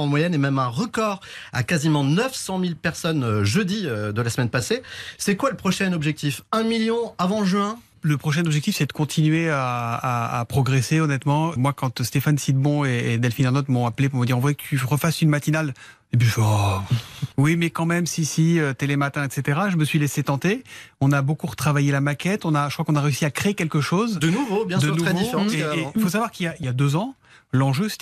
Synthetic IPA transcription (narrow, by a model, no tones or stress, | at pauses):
ɑ̃mwajɛnemɛmɛ̃ʁəkɔʁa̰kazimɑ̃nəfsɑ̃milpɛʁsɔnʒød̪iød̪əlasmɛnpasesɛkwaləpχɔʃɛnɔbʒɛk̚t̪ifɛ̃miljɔ̃avɑ̃ʒɥɛ̃ | ləpχɔʃɛnɔbʒɛk̚t̪ifsɛd̪əkɔ̃t̪ʰinɥeaaa̰pχɔɡʁeseɔnɛt̪mɑ̃əmwakɑ̃t̪st̪efansid̪bɔ̃eːd̪ɛlfinɛʁnɔt̪mɔ̃aplepuʁməd̪iʁɔ̃vwjɛkət̪ʰyʁəfasynmat̪inal | epya | wimɛkɑ̃mɛmsisiøt̪elemat̪ɛ̃ɛt̪set̪eʁaʒəməsɥileset̪ɑ̃t̪eɔ̃nabokuʁət̪χavajelamakʲɛt̪ɔ̃naʒəkχwakɔ̃naʁeysiakχeːkʲɛlkəʃozd̪ənuvobjɛ̃sd̪ənuvd̪ififos̬avwaʁkiljailjad̪øzɑ̃ | lɑ̃ʒøsɛ̥